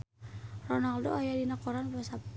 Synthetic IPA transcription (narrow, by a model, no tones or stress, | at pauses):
rɔnaldoajadinakoɾanpudasap̚t̪